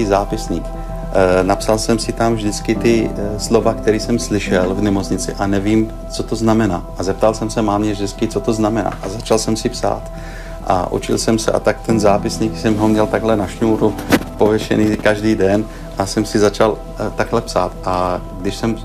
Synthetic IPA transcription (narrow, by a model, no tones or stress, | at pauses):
izaːpɪsɲiːk | napsalsɛmsɪt̪amvʒdɪt͡skɪt̪ɪslo̞vakt̪ɛɾiːsɛmslɪʃɛlvnɛmot͡sɲɪt͡sɪʔanɛviːm | t͡so̞t̪o̞znamɛnaːʔazɛp̚t̪alsɛmsɛmaːmɲɛvʒdɪt͡skɪt͡sot̪oznamɛna̰ːʔazat͡ʃalsɛmsɪpsa̰ːt̪ | ʔa̰ʔṵt͡ʃɪ̰lsɛmsɛ̰ʔa̰t̪ak̚t̪ɛnzaːpɪsɲiːksɛmɦomɲɛlt̪aɡɦlɛnaʃnuːɾupovjɛʃɛ̰niːkaʒdiːdɛn | ʔasɛmsɪzat͡ʃal | t̪aɡɦlɛpsa̰ːt̪ʔa | ɡdɪʃsɛm